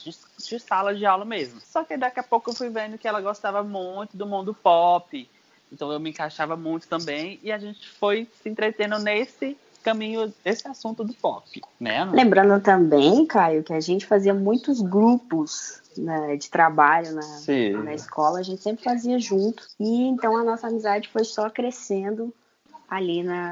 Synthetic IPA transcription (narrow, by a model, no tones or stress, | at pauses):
d͡ʒɪs | d͡ʒɪsalɐd͡ʒɪawlɐmezmʊsɔkɪd̪akɛɐpowkʊewfujvẽnd̪ʊkɪɛlɐɡost̪avɐmũj̃t̪ʊd̪ʊmũnd̪ʊpɔpɪ | ẽt̪ɐ̃w̃ewmɪẽŋkaʃavɐmũj̃t̪ʊ̥t̪ɐ̃mbẽj̃ɪaʒẽnt͡ʃɪ̥fojsɪẽnt̪ɾet̪ẽnd̪ʊnesɪ | kɐ̃mĩɲʊesɪasũnt̪ʊd̪ʊpɔ̰pɪmɛ̰lẽmbɾɐ̃nd̪ʊt̪ɐ̃mbẽj̃kajʊkɪaʒẽnt͡ʃɪ̥faziɐmũj̃t̪ʊzɡɾupʊs | nɐd͡ʒɪt̪ɾabaʎʊnɐsĩnɐiskʰɔlɐːʒẽnt͡ʃɪsẽpɾɪfaziɐʒũnt̪ʊ̥ɪẽnt̪ɐ̃w̃ɐnɔsɐamizad͡ʒɪfojsɔkɾesẽnd̪ʊ | alinɐ